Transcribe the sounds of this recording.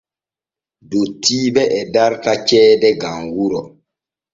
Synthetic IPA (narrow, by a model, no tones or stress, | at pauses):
dotiːbɛʔɛdaɾkat͡ʃɛːdɛɡaŋɡuɾɔ